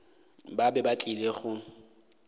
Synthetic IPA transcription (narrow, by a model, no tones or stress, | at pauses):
babɛbat͡ɬʼileɣʊ